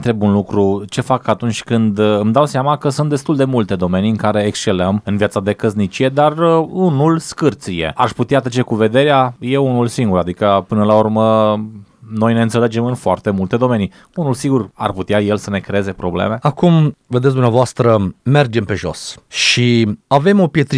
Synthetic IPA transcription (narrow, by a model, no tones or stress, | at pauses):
t̪ɾe̞bunlukɾut͡ʃe̞fakːat̪unt͡ʃʲkɨnd̪ɨmd̪awseamakəsunt̪d̪est̪uld̪e̞mult̪e̞d̪o̞me̞niɨŋkaɾe̞ːkst͡ʃe̞ləmɨnvjat̪sad̪e̞kəznit͡ʃije̞d̪arunulskɨrt̪sije̞̰a̰ʃʲput̪eat̪ɾət͡ʃe̞kuve̞d̪e̞ɾeaje̞unulsiŋɡuɾad̪ikəpɨnəlaurmə | no̞jne̞ɨnsele̞d͡ʒe̞mɨnfoart̪e̞mult̪e̞d̪o̞me̞ni | unulsiɡura̰rput̪eaje̞lsənekɾeeze̞pɾo̞blḛme̞akumved̪ets̬d̪umeavoast̪ɾəme̞rd͡ʒe̞mpe̞ʒo̞̰sʃiave̞mo̞pje̞t̪ɾi